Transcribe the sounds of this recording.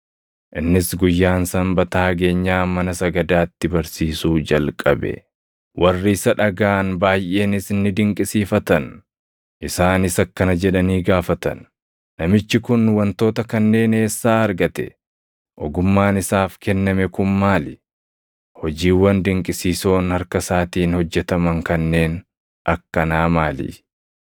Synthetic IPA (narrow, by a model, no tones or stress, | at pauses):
ʔɪnːɪsɡʊjːaːnsɐmbɐt̪aːɡe̞ːɲːaːmɐnɐsɐɡɐd̪aːt̪ːɪbɐɾsiːsuːd͡ʒɐlkʼɐ̰bɛ̰ | wʔɐrːɪːsɐᶑɐɡaːnbaːjʔe̞ːnɪsɪnːɪd̪ɪŋkʼɪsiːfɐt̪ɐn | ʔɪsaːnɪsɐkːɐnɐd͡ʒɛᶑɐniːɡaːfɐt̪ɐ̰nː | ɐmɪt͡ʃːɪkʊnwɐnt̪o̞ːt̪ɐkɐnːe̞ːne̞ːsːaːɐɾɡɐt̪ɛ̰ | ʔɔɡʊmːaːnɪsaːfkɛnːɐmɛkʊnmaːlɪ | hɔd͡ʒiːwːɐnd̪ɪŋkʼɪsiːso̞ːnhɐɾkɐsaːt̪iːnhɔd͡ʒːɛt̪ɐmɐŋkɐnːe̞ːn | ʔɐkːɐnaːmaːlḭ